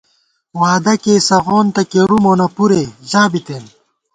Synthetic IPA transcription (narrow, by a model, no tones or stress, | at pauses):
waːd̪ɐkeːsɐɣoːnt̪ɐkeɾumoːnɐpuɾeʑãːbit̪eːn